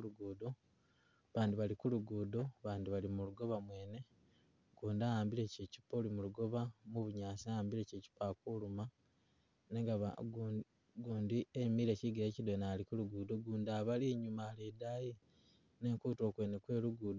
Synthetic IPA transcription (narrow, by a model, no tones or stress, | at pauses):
luɡuːdo̞ | βaːndiβalikuluɡuːdo̞βaːndiβalimuluɡo̞βamwe̞ːne̞ | kuːndajaːmbiɾe̞ceci̥pːolimuluɡo̞βamuβuɲaːsiajaːmbile̞ce̞ci̥pakuluma | neɡa | ɡuːndiemiɾe̞ciɡiɾecidonalikuluɡuːdo̞ɡuːndaβaliɲumaledaːje | ne̞ːŋkuːto̞ːkwe̞ːnekwe̞ːluɡuːdo